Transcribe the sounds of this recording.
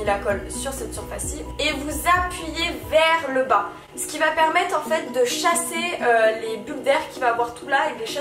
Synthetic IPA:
ilakɔlsyʁsɛt̪syʁfasivevuzapɥijevɛʁləba | sə̥kʲivapɛʁmɛt̪χɑ̃fɛt̪̚d̪əʃaseølebyld̪ɛʁkʲːivaːvwaʁt̪ʰulaekleʃa

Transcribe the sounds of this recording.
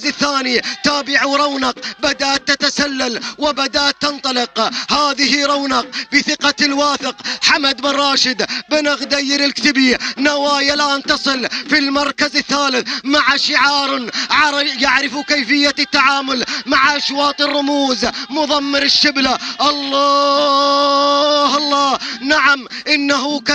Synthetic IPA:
zɪθːaːnit̪aːbɪʕuɾˤɑwnɑqbad̪aʔt̪ːat̪asalːalwɪbad̪aʔt̪ːɑnt̪ˤɑlɪqhaːðɪhɪɾˤɑwnɑq̚bɪθɪqɑlwaːθɪqħamad̪bɪrˤːɑːʃɪd̪bɪnɪɣd̪ajɪɾɪlkt̪ɪbinawaːjalʔaːnt̪ɑsˤɨlfilmɑɾˤkazɪθːaːlɪθmaʕaʃɪʕɑːɾˤʕaɾjaʕɾɪfukajfɪjːat̪ːaʕaːmʊlmaʕaʔaʃwɑːt̪ˤɨrˤːʊmuːzmʊðˤɑmːɪɾɪʃːɪblaʔɑlːɑː | hɑlˤːɑːnaʕamʔɪnːaɦʊk

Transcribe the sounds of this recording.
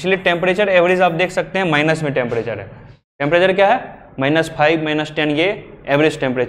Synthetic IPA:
t͡ʃʰlieʈẽːmpɾeːt͡ʃəɾeːʋɾɪd͡ʒaːp̚d̪eːkʰsɐk̚t̪eɦɛ̃maːɪnəsmẽʈẽmpɾeːt͡ʃəɾɦɛː | ʈẽmpɾeːt͡ʃəɾkjaːɦɛ | maːɪnəspʰaːɪbmaːɪnəsʈɛnjeeːʋɾɪd͡ʒʈẽmpɾeːt͡ʃ

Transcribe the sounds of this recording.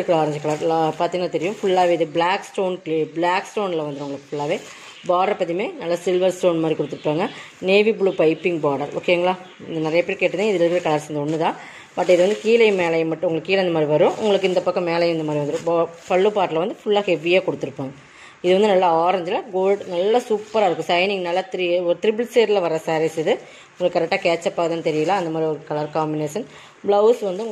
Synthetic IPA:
ɯkːɭaːɾɐɲd͡ʒkɐɭaɾlapaːɾt̪ĩːŋɡɐnaːt̪ɛɾɪjʊ̃mfʊɭːaːʋeːɪðɯbɭaːksʈoːnʈːbɭaːksʈoːnlɐʋɐnd̪ɾɯ̃ʊŋɡɐɭɯkːɯfʊɭːaːʋeː | baːɽɐɾpːɐt̪̬ːimeːnɐlːɐsɪlʋɐɾsʈoːnmaːd̪ɾikɔɽɯt̪ːɯɾɯpːaːŋɡɐ | neːʋibɭuːpɐɪpːɪŋɡbaːɽɐɾo̰ːkeŋɡɐɭaː | ɪnd̪ɐnɪɾɐjɐpeːɾkeːʈːɐnẽɪðɪlɐɾkːɾekɐɭaːɾsɛnd̪ɐɔnːɯt̪ãː | mɐʈːɪðɯʋɐnd̪ɯkiːlɐɪmeːlɐjmɐʈːɯ̃ʊŋɡɐɭɯkːiːlɐɪnɐmaːd̪ɾiʋɐɾʊ̃ʔʊ̰ŋɡɐɭɯkːɪnd̪ɐpːɐkːɐ̃meːlɐjmɪnɐmaːd̪ɾiʋɐnd̪ɯɾʊ̃bpɐɭːɯpaːʈɪlɐʋɐnd̪ɯfʊɭːaːheʋijaːkɔɽɯt̪ːɯɾɯpːaːŋɡɐ | ɪðɯʋɐnd̪ɯnɐlːɐaːɾɐɲd͡ʒɪlɐɡoːlɖnɐlːɐsuːpːɐɾaːɪɾɯkːʊ̃sɐɪnɪŋnɐlːɐt̪ɪɾiɔɾɯt̪ɪɾɪbɭseːɾɪlɐʋɐɾɐsaːɾesɪðɯ | ʊŋɡɐɭɯkːkːɐɾɛk̚ʈːaːkeːt͡ʃːɐpːaːɣɐðaːnt̪ɛɾɪjɐlãːɐnd̪ɐmaːd̪ɾiɔɾɯkɐɭɐɾkaːmbɪneːʂɐn | bɭɐʊsʋɐnd̪ɯʊŋɡ

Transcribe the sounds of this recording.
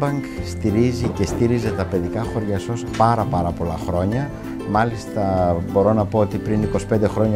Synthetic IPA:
bɐŋkst̪iɾizice̞st̪iɾize̞t̪ɐpe̞ðikɐxo̞ɾʝɐso̞spɐɾɐpɐɾɐpo̞lɐxɾo̞ɲɐ | mɐlist̪ɐbo̞ɾo̞nɐpo̞ot̪ipɾiniko̞si̥pe̞nd̪e̞xɾo̞ɲɐ

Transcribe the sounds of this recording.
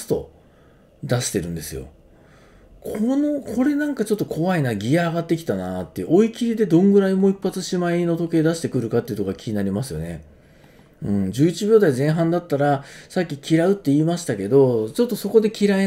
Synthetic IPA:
t̪o̞̰ | d̪aɕi̥t̪e̞ɾɯ̟̃nd̪e̞sɨjo̞̰ | kʰono̞kʰo̞ɾe̞nãŋkat͡ɕo̞t̪ːo̞kʰo̞βainaɡʲijaːɡat̪ːe̞k̬ʲi̥t̪anat̪ːeɯ̰ʔo̞ikʲiɾʲid̪e̞d̪õ̞ŋɡɯ̟ɾaimo̞ipːat͡sɨɕimaino̞t̪o̞ke̞ːd̪aɕi̥t̪e̞kɯ̟ɾɯ̟kat̪ːeiɯ̟t̪oɡakʲiɲ̟inaɾʲimasɨjo̞̰ne | ɯ̟̃ɴd͡ʑɨːit͡ɕibʲjo̞ːd̪aizẽ̞ɰ̃ɦãnd̪at̪ːaɾasakʲːikʲiɾaɯ̟t̪ːe̞iːmaɕi̥t̪ake̞d̪o̞t͡ɕo̞t̪ːo̞so̞ko̞d̪e̞kʲiɾai

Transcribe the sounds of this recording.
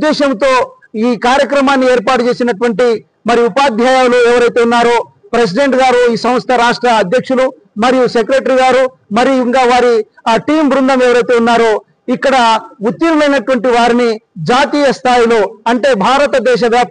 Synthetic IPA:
d̪ːɛːʃɐmt̪o̞ː | iːkaːɾjɐkɾɐmaːnːie̞ːɾpaːʈut͡ʃe̞ːsinɐʈuʋɐɳʈi | mɐɾijuupaːd̪ʱjaːjaːwloːɛʋɐɾɐjt̪eːunːaːɾoː | pɾes̬iɖe̞ɳʈɡaːɾuiːsɐm̃ɐst̪ʰɐɾaːʂʈɾɐːd̪ʱjɐkʂulu | mɐɾijusekɾeʈɐɾiɡaːɾu | mɐɾijuiŋkaːʋaːɾiʈiːmbɾund̪ɐmɛʋɐɾɐjt̪e̞ːunːaːɾoː | ikːɐɽɐut̪ːjilɐmɐjnɐʈuʋɐɳʈiʋaːɾinid͡ʒaːt̪iːjɐst̪ʰaːjilo̞ːɐɳʈe̞ːbʱaːɾɐt̪ɐd̪ɛːʃ̬ɐʋjaːp

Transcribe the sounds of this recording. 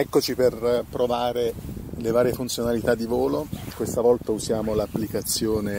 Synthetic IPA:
ɛkːot͡ʃiperpɾovaːɾelevaːɾjefunt̪sjonalit̪ad̪ːivoːlokwest̪avɔlt̪auzjaːmolapːlikat̪sːjoːne

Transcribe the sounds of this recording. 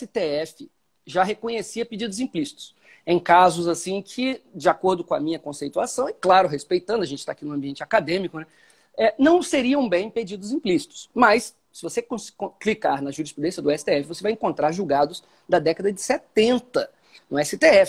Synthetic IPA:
ɛsɪt̪eɛfɪ | ʒaɦekõɲesiɐped͡ʒid̪ʊzĩplisi̥t̪ʊ̥s | ẽj̃kazʊzasĩkʰɪd͡ʒɪakoɾd̪ʊkõɐmĩɲɐkõsejt̪uasɐ̃w̃ɪklaɾʊɦespejt̪ɐ̃nd̪ʊɐʒẽt͡ʃɪ̥t̪aːkinʊ̃ɐ̃mbiẽnt͡ʃɪakad̪ẽmikʊnɛ | ɛnɐ̃w̃seɾiɐ̃w̃bẽj̃ped͡ʒid̪ʊzĩplisi̥t̪ʊ̥smɐs | sɪvosekõskõklikaɾnɐʒuɾispɾud̪ẽsjɐd̪ʊɛsɪ̥t̪eɛfɪvosevajẽŋkõnt̪ɾaɾʒuwɡad̪ʊs | d̪ɐd̪ɛkɐd̪ɐd͡ʒɪset̪ẽnt̪ɐ | nʊɛsɪt̪eɛf

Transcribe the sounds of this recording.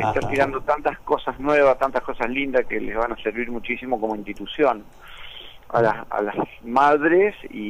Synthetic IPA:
eht̪at̪iɾand̪o̞t̪ant̪asko̞sasnweβast̪ant̪ahko̞saslind̪askelezβanaseɾβiɾmut͡ʃisimo̞komo̞int̪it̪usjo̞n | a̰lasa̰lasmaðɾesḭ

